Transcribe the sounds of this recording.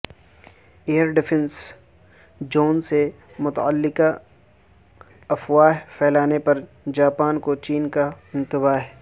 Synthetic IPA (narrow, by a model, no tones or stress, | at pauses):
eːəɾɖɪfʰɛ̃ns | d͡ʒoːnse | mʊt̪əlːɪka | ɐfwaːɦpʰɛːlaːnepɐɾ | d͡ʒaːpaːnkot͡ʃiːnka | ɪ̃nt̪ɪbaːɦɛ